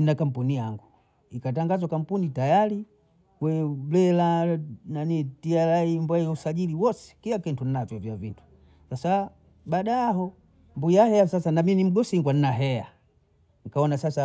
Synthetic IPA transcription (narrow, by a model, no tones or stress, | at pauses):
nakam̩punijaŋɡu | ikat̬aŋɡazwakam̩punitajali | kwɛlɛlananitialaimbwausaʄiliwɔsɛ̥kilakɛntunavjɔvjavintu̥ | sasa | baɗaːɦɔ | mbuijahɛasasanaminim̩ɡɔsiŋɡwan̩naɦɛa | ŋ̩kaɔnasasa